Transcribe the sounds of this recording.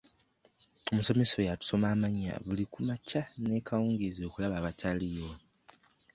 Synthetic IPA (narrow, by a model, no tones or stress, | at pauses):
o̞muso̞me̞so̞jatu̥so̞maːmaɲːa̰βulikumacane̞ːkʰawuːŋɡizio̞kulaβaːβatʰalijo̞